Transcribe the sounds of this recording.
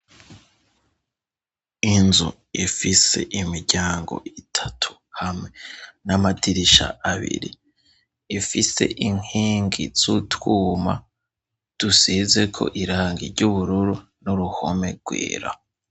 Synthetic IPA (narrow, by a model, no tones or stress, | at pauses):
inzṵ | ifise̞̰ʔimiɾɟaːŋɡo̞̰itʰḁtʰu̥ | hamŋwe̞namatiɾiʃa̰ʔaβḭɾḭː | fise̞̰ʔiŋiːŋɡḭz̥utwuːma̰ | d̥usize̞kʰo̞̰ʔiɾaːŋɡḭɾɟuβuɾuɾu | nuɾuho̰me̞ɡ̥wḭːɾa̰